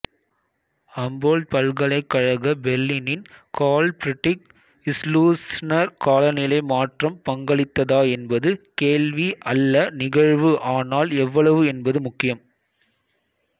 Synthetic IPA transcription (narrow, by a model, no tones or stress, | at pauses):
ɐmboːld̪̚pɐɭɡɐɭɐɪkːɐɻɐɣɐbɛɾlinɪnkaːlpɾɪʈːɪk̚ | ɪsluːsnɐɾkaːlɐnɪlɐɪmaːʈrɐmpɐŋɡɐɭɪt̪ːɐðaːɛnbɐðɯkeːlʋiʔɐlːɐnɪɣɐɻʋɯʔaːnaːlɛʋːɐɭɐʋɯɛnbɐðɯmʊkːɪjɐm